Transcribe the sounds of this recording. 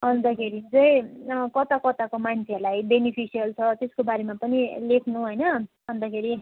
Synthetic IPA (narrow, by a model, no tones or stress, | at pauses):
ʌnd̪ʌkʰeɾid͡zʌjkʌt̪akʌt̪akomant͡sʰelajbenipʰisijʌlt͡sʰʌt̪eskobaɾemapʌnilekʰnuɦojnʌ | ʌnd̪ʌkʰeɾi